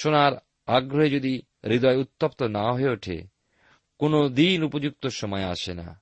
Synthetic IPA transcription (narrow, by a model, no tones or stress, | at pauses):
ʃonaɾ | aɡɾoɦed͡ʑod̪i | ɾid̪ɔeut̪ːopt̪onaɦoeoʈʰḛ | konod̪inupod͡ʑuk̚t̪oʃɔmɔea̰ʃena̰